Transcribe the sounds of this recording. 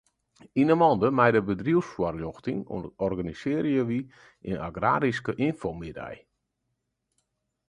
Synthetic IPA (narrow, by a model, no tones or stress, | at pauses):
inəmɔndəmɛjdəbədriəwsfwɔrljɔxtɪŋo̰ɔrɡanisɪəɾjəʋi | ʔɪ̰naɡra̰ːɾiskəʔinfomɪdɛ̰j